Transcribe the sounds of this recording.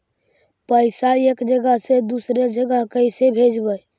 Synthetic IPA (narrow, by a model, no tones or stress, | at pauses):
pəɪsaekd͡ʒəɡəɦsed̪usɾed͡ʒəɡəɦkəɪsebʱed͡ʒbəj